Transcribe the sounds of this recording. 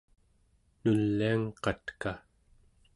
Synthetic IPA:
nulːiaŋqɑt̪ka

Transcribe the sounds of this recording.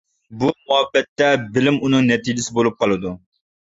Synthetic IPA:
bumuɦɛbːɛt̪ːɛbɪlɪmunɨŋnɛt̪iːd͡ʒɪsɪbolˠup̚qʰɑlˠɨd̪u

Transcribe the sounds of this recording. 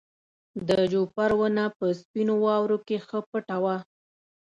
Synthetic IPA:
d̪əd͡ʒopaɾwənapəspinowɑwɾokexəpəʈawa

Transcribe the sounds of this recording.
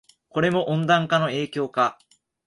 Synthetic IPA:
ko̞ɾe̞mo̞ʔõnd̪ãŋkano̞e̞ːkʲo̞ːka

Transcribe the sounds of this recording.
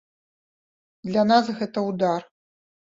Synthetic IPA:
d̪lʲanasɣɛt̪ɐwd̪ar

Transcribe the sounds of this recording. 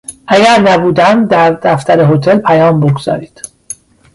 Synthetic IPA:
ʔæɡæɾnæbuːd̪æmd̪æɾd̪æft̪æɾeɦot̪ʰelpʰæjɒːmboɡz̥ɒ̰ːɾiːd̪̥

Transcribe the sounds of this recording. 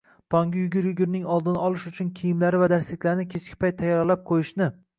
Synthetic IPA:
t̪ʰɒŋɡʲɪjʊɡʲɪɾjʊɡʲɪɾnɪŋɒlˠd̪ɪnaɒlˠɪʃʊt͡ʃʰʊnkʲʰijɪmlaɾɪvad̪aɾslɪkʲlaɾɪnɪkʲʰet͡ʃkʲɪ̥pʰajt̪ʰːajɒɾlap̚qʰojɪʃnɪ

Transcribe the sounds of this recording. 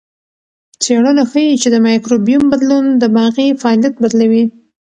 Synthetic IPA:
t͡seɽənaxəjit͡ʃed̪əmɑjkɾobijumbad̪lund̪əbɑɣifɑːljat̪̚bad̪lawi

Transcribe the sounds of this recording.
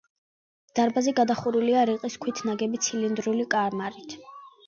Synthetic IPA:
d̪̥aɾbazɛɡad̪aχuɾuliaɾiqʼiskʰwit̪ʰnaɡɛbit̪sʰilind̪ɾulikʼaɾmaɾit̪ʰ

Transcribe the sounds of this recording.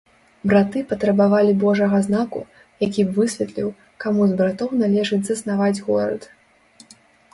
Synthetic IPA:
bɾat̪ɨpɐt̪ɾɐbavalʲibɔʐɐɣɐznakṵ | jakʲibvɨsʲvʲɛt̪lʲiw | kamuzbɾat̪ɔwnalʲɛʐɨd͡zʲzɐsnavad͡zʲɣɔɾɐ̰t̪

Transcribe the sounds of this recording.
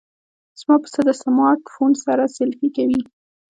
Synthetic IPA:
z̥mɑpə̥səd̪əsamɑt̪fonsaɾasɪlfikawi

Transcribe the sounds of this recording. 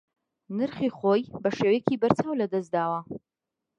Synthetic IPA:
nɨɾχiχojbɐʃewekiːbɐɾt͡saːwlɐd̪ɐsd̪aːwɐ

